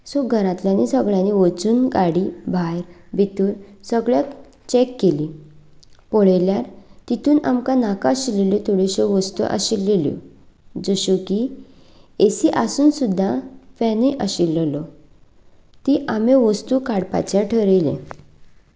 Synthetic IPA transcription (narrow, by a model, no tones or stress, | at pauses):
soɡʱəɾãt̪ljanisəɡɭjaniʋət͡suːnɡaɽibʱajɾbʱit̪uːɾsəɡɭjak | t͡ɕɛkːeli | pɔɽeljaɾt̪it̪ʰuːnamkanakaɕilelɔt̪ʰoɽeɕɔʋəst̪ṵʔa̰ɕilːeljo̰ | d͡zɔɕuki | esiʔasuːnsud̪ʱːafɛniʔəɕilːlɔ | t̪iʔameʋəst̪ukaɽpa̰t͡ɕjaʈʰəɾelḛ̃